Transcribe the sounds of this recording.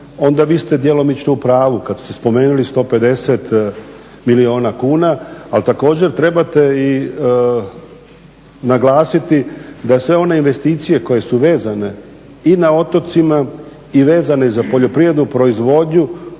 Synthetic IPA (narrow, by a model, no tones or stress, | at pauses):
o̞nd̪aʋiːst̪e̞d̪jelo̞mit͡ʃnoupɾaːʋukad̪st̪espo̞me̞ːnulist̪o̞ːpe̞d̪e̞set̪ | milio̞ːnakuːnaːlt̪ako̞ːd͡ʑe̞ɾt̪ɾe̞bat̪e̞i | naɡlˠaːsit̪id̪asʋe̞o̞ne̞inʋe̞st̪iːt̪sije̞ko̞je̞suʋe̞ːzane̞ | inao̞t̪o̞t̪sima | iʋe̞ːzane̞zapo̞ʎo̞pɾiʋɾed̪nupɾo̞izʋo̞ːd̪ɲu